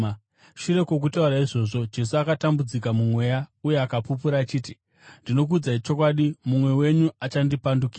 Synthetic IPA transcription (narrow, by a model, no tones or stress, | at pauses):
ʃuɾe̞kwo̞k̬utauɾaiʐo̞ːʐo̞d͡ʒe̞s̬uakatambud͡zikamumwe̞jauje̞akapup̬uɾaːt͡ʃiːti | ndino̞k̬ud͡zait͡ʃo̞k̬waɗimumwe̞we̞ɲuat͡ʃandipandukiːa